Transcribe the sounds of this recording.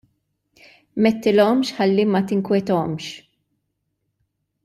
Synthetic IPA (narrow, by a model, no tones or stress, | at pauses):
mɛt̪ːɪlɔmʃħɐlːimɐt̪ɪŋkwɛt̪ɔmʃ